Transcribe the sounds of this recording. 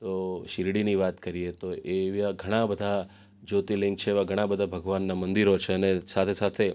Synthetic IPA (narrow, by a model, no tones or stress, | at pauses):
t̪oʃɪɾɽiniʋat̪kəɾiet̪oʔeʋjaɡʱəɽ̃abəd̪ʱa | d͡ʒot̪ilɪ̃ŋk̚t͡ʃʰeːʋaɡʱəɽ̃ãbəd̪ʱabʱəɡʋanːamənd̪iɾot͡ʃʰeənesat̪ʰesat̪ʰe